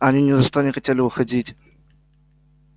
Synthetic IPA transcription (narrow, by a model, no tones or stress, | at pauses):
ɐnʲinʲɪzɐʂt̪onʲɪxɐtʲelʲɪbɨxɐdʲitʲ